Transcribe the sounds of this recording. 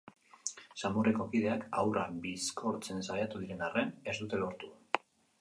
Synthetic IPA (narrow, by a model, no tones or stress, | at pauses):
samureko̞kið̞e̞akawrabiskʰo̞ɾt͡se̞nsajat̪uð̞iɾe̞nare̞ne̞zd̪ut̪e̞lo̞ɾt̪u